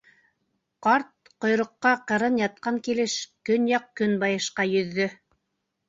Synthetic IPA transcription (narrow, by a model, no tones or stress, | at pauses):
qɑɾt̪̚qŏjɾŏqːɑqɤ̆ɾɤnjɑt̪̚qɑŋkilɘʃkɵnjɑq̚kɵnbɑjɤ̆ʃqɑjɵ̆ðːɵ